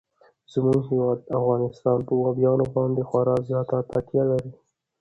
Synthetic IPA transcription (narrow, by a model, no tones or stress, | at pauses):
z̥əmuŋɦewɑd̪̚afɣɑnɪst̪ɑnpəwɑbjɑnobɑnd̪exwaɾɑzjɑt̪at̪at̪jalaɾi